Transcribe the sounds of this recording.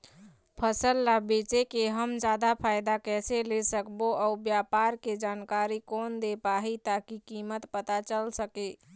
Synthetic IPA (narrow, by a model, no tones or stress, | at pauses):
pʰəsəlːabet͡ʃekeɦəmd͡ʒad̪apʰajd̪akɛselesəkboʔaubjapaɾked͡ʒankaɾikond̪epaɦit̪akikimət̪pət̪at͡ʃəlsəke